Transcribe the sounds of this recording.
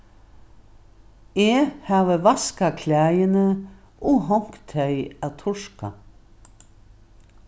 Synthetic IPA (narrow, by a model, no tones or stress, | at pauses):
eːhaːvəvaskakʰlæːjənə | ɔɦɔŋ̥kt̪ʰɛjat̪ʰʊʂka̰